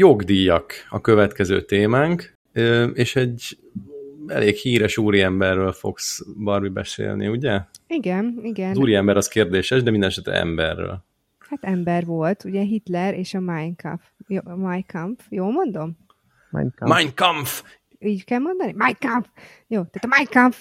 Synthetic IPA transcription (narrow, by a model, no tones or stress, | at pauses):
joɡd̪ijɒkɒkø̞vɛt̪kɛzø̰ːt̪eːmaːŋk | øeːʃɛɟ | ɛ̰lʔeːkhiːɾɛʃuːɾiɛmbɛrːøːlfo̞̰ksbɒrmibɛ̰sḛːlnḭuɟɛiɡɛniɡɛnuːɾiɛmbɛɾɒskeːrd̪eːʃɛʒd̪ɛmind̪ɛnɛʃɛt̪ːɛ̰ɛ̰mbɛrːø̰ːl | hat̪ɛmbɛrʋo̞lt̪uɟɛɦit̪lɛɾeːʃɒmajnkɑ̰fjoːmajkɑɱfjoːlmo̞nd̪o̞m̰ | majnkɒɱf | iːɟkɛlmo̞nd̪ɒnimajkaɱf | joːt̪aːt̪ɒmaj̪kɑɱf